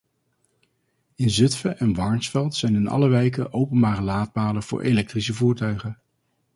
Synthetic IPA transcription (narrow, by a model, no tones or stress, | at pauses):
ɪnzɵtfəʔɛnʋɑɹnsfɛlˠtsɛjnɪnɑ̰ləʋejk̬əʔowpənbaːrəlaːd̚baːləv̥ʊ̰ːɹʔḛlɛk̚trisəvuːɹtœɥχən